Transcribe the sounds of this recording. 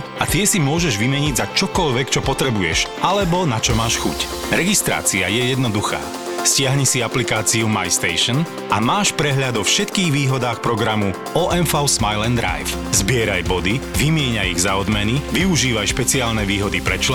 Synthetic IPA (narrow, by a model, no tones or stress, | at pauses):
at̪ɪɛsimʊɔʒɛʒʋimɛɲiɟzat͡ʃɔkɔʎʋɛkt͡ʃɔpɔt̪ɾɛbujɛʃʔalɛbɔnat͡ʃɔmaːʃxṵc | ɾɛɡist̪ɾa̰ːt͡siajɛjɛd̪nɔd̪uxa̰ː | scɪaɦɲisiaplikaːt͡siumajst̪ɛɪʃn | ʔamaːʃpɾɛɦʎad̪ɔfʃɛt̪kiːɣʋiːɦɔd̪aːxpɾɔɡɾamu | ɔʔɛnfaʊsmajlɛnd̪ɾa̰jf | zbɪɛɾajbɔd̪iʋimɪɛɲajḭɣzaɔd̪mɛniʋiuʒiːʋajʃpɛt͡siaːlnɛʋiːɦɔd̪ipɾɛt͡ʃl